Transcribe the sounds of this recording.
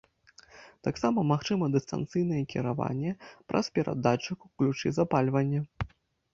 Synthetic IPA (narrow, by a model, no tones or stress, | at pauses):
t̪aksamɐmaxt͡ʂɨmɐd̪ɨst̪a̰nt̪sɨjnɐjɛkʲiɾava̰nʲːɛpɾʔɐ̰spʲɛɾʔa̰d̪at͡ʂɨkuklʲut͡ʂɨ̰zapalʲvɐnʲːɐ